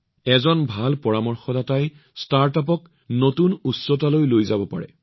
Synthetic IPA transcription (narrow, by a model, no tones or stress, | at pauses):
ɛzɔnbʱalpɔɹamɔɹxɔdataj | staɹtap̬ɔk | notunusɔtalojlojzabɔpa̰ɹɛ̰